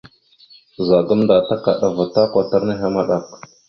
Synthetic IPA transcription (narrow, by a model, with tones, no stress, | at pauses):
za˨ɡə˦mnda˨ta˦ka˨ɗa˨va˨ta˦kʷa˨ta˦ɾni˦ɦa˦ma˦ɗa˨k